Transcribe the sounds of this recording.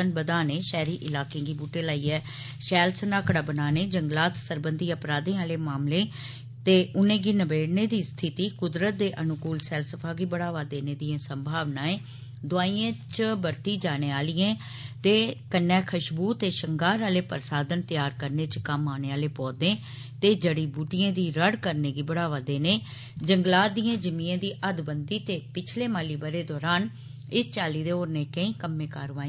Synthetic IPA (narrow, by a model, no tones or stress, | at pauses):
ənbəd̪aːneːʃɛːɾiːʔɪlaːkẽːɡiːbuːʈeːlaːiːɛː | ʃɛːlsənaːkɽaːbənaːneːd͡ʒəŋɡlaːt̪səɾbənd̪iːəpɾaːd̪ĩːaːleːmaːmlẽː | t̪eːʔʊnẽːɡiːnəbeːɽneːd̪iːst̪ʰɪt̪iːkʊd̪ɾət̪̚d̪eːʔənʊkuːlsɛːlsəpʰaːɡiːbəɽaːʋaːd̪eːneːd̪iẽːsəmbʱaːʋnãːẽː | d̪ʊaːiːẽːt͡ʃbəɾt̪iːd͡ʒaːneːaːlɪjẽː | t̪eːkənːɛ̃ːkʰəʃbuːt̪ːeːʃəŋɡaːɾaːleːpəɾsaːd̪ənt̪ɪjaːɾkəɾneːt͡ʃkəmaːneːaːleːpɔːd̪ẽː | t̪eːd͡ʒəɽiːbuːʈɪjãːd̪iːɾəɽkəɾneːɡiːbəɽaːʋaːd̪eːnẽː | d͡ʒəŋɡlaːd̪ijãːd͡ʒəmiẽːd̪iːʔəd̪bənd̪iːt̪eːpɪt͡ʃʰleːmaːliːbəɾeːd̪ɔːɾaːn | ɪst͡ʃaːliːd̪eːoːɾnẽːkəĩːkəmːẽːkaːɾʋaːĩ